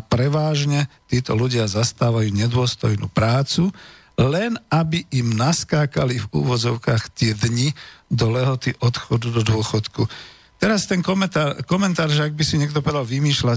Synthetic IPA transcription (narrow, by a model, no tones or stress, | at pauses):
apɾɛʋaːʒɲɛt̪iːt̪ɔluɟɪazast̪aːʋajuːɲɛd̪ʊɔst̪ɔjnṵːpɾaːt͡su | lɛnabiʔimnaskaːkalivṵːʋɔd͡zɔʊkaːxt̪ɪɛd̪ɲid̪ɔlɛɦɔt̪iʔɔt̪xɔd̪ud̪ɔd̪ʊɔxɔt̪ku | t̪ɛɾast̪ɛnkɔmɛt̪akɔmɛnt̪aːɾʒɛaɡ̚bisiɲɛk̚t̪ɔpɔʋɛd̪alʋimiːʃla